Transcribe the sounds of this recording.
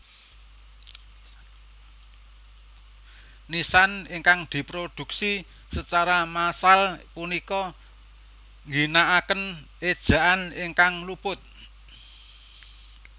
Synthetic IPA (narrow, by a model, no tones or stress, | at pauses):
nisanɪŋkaŋd̪̥i̤pɾod̪̥ṳksi | sət͡ʃaɾamasalpunikɔ | ŋɡinaʔakən | ed̥ʒ̥a̤ʔanɪŋkaŋlupʊt̪̚